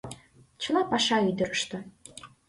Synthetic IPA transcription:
t͡ɕɤ̆lˠɑpɑʃɑyjd̪ɘ̆ɾə̆ʃt̪ɤ

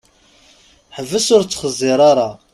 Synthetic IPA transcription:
ħəvːəsʊɾt͡sːχəzˤːiɾˤɑɾˤɑ

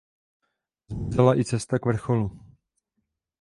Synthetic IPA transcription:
zmizɛlaʔɪt͡sɛst̪akvr̩xo̞lu

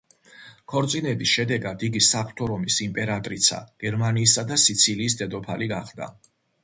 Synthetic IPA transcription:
kʰɔɾt̪sʼinɛbisʃɛd̪ɛɡad̪iɡ̪isapʰt̪ʰɔɾɔmisimpʼɛɾat̪ʼɾit̪sʰa̰ɡ̥ɛɾmaniːs̬ad̪asit̪sʰiliːs̬d̪ɛd̪ɔpʰaliɡaχd̪a̰

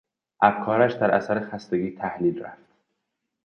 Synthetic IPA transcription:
ʔæfkʰɒːɾæʃd̪æɾæ̰sæɾexæst̪eɡiːt̪ʰæhlilræ̰ft̪̚

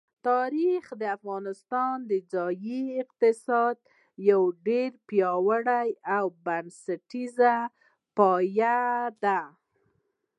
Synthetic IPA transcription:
t̪ɑɾixd̪əafɣɑnɪst̪ɑnd̪əd͡zɑjiɪq̚t̪ɪsɑd̪̚ | jawɖeɾpjɑwaɽajawbansaʈiza | pɑjad̪a

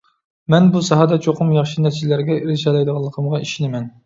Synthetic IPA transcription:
mɛnbusɑɦɑd̪ɑt͡ʃʰoqʰʊmjɑχʃinæɾt͡ʃʰlæɾɡʲɛiɾɪʃɑlˠɑjd̪əʁɑlˠːəqʰəmʁɑiʃinɪmɛn

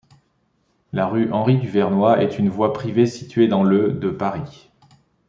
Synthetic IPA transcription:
laʁyʔɑ̃ʁid̪yvɛʁnwaʔɛt̪ynvwapχivesit̪ɥed̪ɑ̃ləd̪əpaʁi

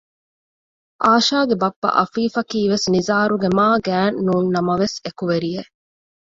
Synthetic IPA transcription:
ʔaːʃaːɡebɐpːɐ̰ʔɐfiːfɐkiːʋesnizaːɾuɡemaːɡæːnːuːnːɐmɐʋesekuʋeɾije

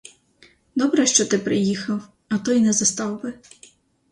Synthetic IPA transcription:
d̪ɔbɾɛʃt͡ʃɔt̪ɪpɾɪjixɐw | ɐt̪ɔjnɛzɐst̪ɑwbɪ

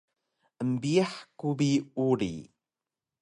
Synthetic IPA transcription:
ʔəmbiaħkubiuɾḭ

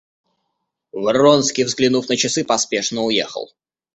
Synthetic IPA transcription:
vəronskʲijvzɡlʲɪnufnət͡ɕɪsɨpɐspʲe̞ʂnəʊjḛxə̰lˠ

